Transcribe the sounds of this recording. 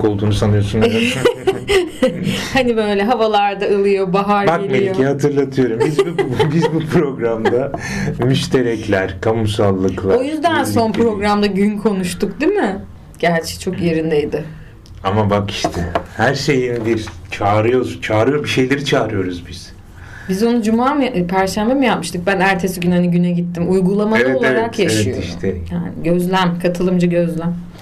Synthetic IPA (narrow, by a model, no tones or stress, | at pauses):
o̞lˠd̪uːnusanɯjo̞sun | hanibø̞jlʲɛɦavalˠaɾd̪aɯlˠɯjo̞baɦaɾbakmelʲocʰihat̪ʰɯɾlˠat̪ʰɯjo̞ɾumbizbubizbupʰɾo̞ɡɾamd̪a | myʃt̪ʰe̞ɾɛclʲæɾkʰamumsalˠːɯklˠaojyzd̪ænso̞npɾo̞ɡɾamd̪aɟynkʰo̞nuʃt̪ʊkd̪imɪ | ɟ̥æɾt͡ʃʰɛ̥t͡ʃʰo̞kje̞ɾind̪ejd̪ɪ | amabaki̥ʃt̪ʰɛhæɾʃe̞jinbiɾt͡ʃʰaːɾɯjo̞ɾt͡ʃʰaːɾɯjobiʃe̞jlʲe̞ɾit͡ʃʰaːɾɯjo̞ɾuzbiz̥ | bizo̞nud͡ʒumaːmpʰæɾʃænbemɯjapmɯʃt̪ɯk̚bænæɾt̪ʰe̞siɟʲynhaniɟynɛɟit̪ʰːimujɡulˠamaleɛoleaɾakjaeʃɛij̪oiʃt̪ʰɛjaːnɪɟøzlʲæmkʰat̪ʰɯlˠɯmd͡ʒaɟø̞zlʲæm